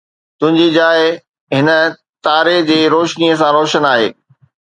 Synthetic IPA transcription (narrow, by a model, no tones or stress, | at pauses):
t̪ʊ̃ɦɪ̃ɲd͡ʑid͡ʑaːɪ | ɦɪnə̆ | t̪aːɾed͡ʑeːɾoːʃniəs̬ãɾoːʃənaːɦeː